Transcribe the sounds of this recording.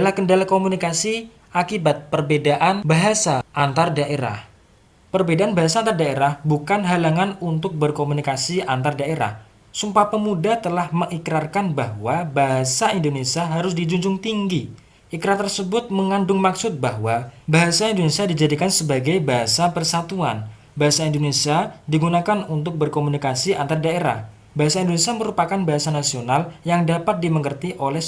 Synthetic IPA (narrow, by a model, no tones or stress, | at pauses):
dalahkəndalakomunikasi | ʔakibat̪̚pərbedaʔanbaɦasaʔːnt̪ardaʔeɾa̰h | pərbedaanbaɦasaant̪ardaeɾahbukanɦalaŋanunt̪ʊk̚bərkomunikasiant̪ardaeɾa̰h | sumpapəmudat̪əlahməŋikɾarkanbaɦwabaɦasaindonesiaɦaɾʊsdid͡ʒuɲd͡ʒʊŋt̪iŋɡi | ʔikɾart̪ərsəbʊt̪̚məŋandʊŋmaksʊt̪̚baɦwabaɦasaindonesiadid͡ʒadikansəbaɡajbaɦasapərsat̪uan | baɦasaindonesiadiɡunakanunt̪ʊk̚bərkomunikasia̰nt̪ardaeɾa̰h | baɦasaindonesiaməɾupakanbaɦasanasionaljaŋdapat̪̚diməŋɡərt̪iʔolɛh